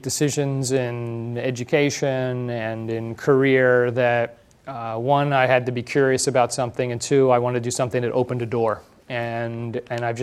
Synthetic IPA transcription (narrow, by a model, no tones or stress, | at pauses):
d̥ɨsɪʒɨ̃nzɪ̃nɛd͡ʒɨkʰeɪʃɨ̃nɨ̃nɪ̃nkʰə˞ɪɹðɨt̚ | wʌ̃naɪɨd̚tɨbikʰj̥ʊɹiɨsɨbaʊtsʌ̃mθɪ̃ŋɨ̃ntʰʉaɪwɑ̃ñɨtɨdɨsʌ̃mθɪ̃ŋtɨʔoʊpɨ̃n̩ɨdɔɹ | ɨ̃nɨ̃naɪvd͡ʒ